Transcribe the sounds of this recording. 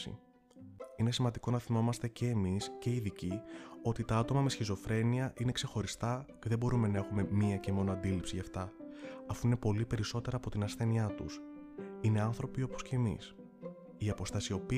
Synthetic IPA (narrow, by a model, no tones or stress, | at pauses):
ḭ | ine̞simɐnd̪iko̞nɐθimo̞mɐst̪e̞ce̞ːmisce̞iðicio̞t̪it̪ɐɐt̪o̞mɐmesçizo̞fɾe̞niɐʔine̞kse̞xo̞ɾist̪ɐce̞ðebo̞ɾume̞nɐe̞xume̞miɐce̞mo̞noɐnd̪ilipsiʝɐft̪ɐɐfuine̞po̞lipe̞ɾiso̞t̪e̞ɾɐːpo̞t̪inɐsθe̞niɐt̪ṵs | ine̞ɐnθɾo̞pio̞posce̞ːmḭs | iɐpo̞st̪ɐsio̞pi